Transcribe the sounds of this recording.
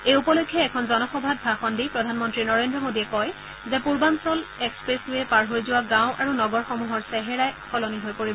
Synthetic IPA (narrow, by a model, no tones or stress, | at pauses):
ejupɔlojkʰːjɔɛkʰɔnzɔnɔxɔbʱad̚bʱaxɔndipɹɔdʱanmɔntɹinɔɹendɹɔmodiɛkɔj | zɛpuɹbansɔlɛkspɹeslujɛpaɹɦojzʊwaɡãw̃ʔaɹunɔɡɔɹxɔmuɦɔɹsɛɦɛɹajxʰɔloniɦojpoɹibɔ